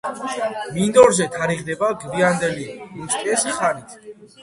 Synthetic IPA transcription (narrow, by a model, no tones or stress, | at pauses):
mind̪ɔɾzɛt̪ʰaɾiʁd̪ɛbaɡviand̪ɛliust̪ʼɛsχanit̪ʰ